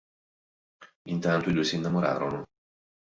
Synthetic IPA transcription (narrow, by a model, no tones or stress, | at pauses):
int̪ant̪oid̪ujsiːnːamoɾa̰ːɾono